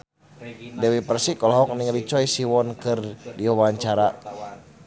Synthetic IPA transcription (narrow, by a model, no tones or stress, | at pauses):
dɛwipərsikɔlɔɦɔk̚niŋlit͡ʃɔisiwɔnkɨrdiɔwaɲt͡ʃaɾa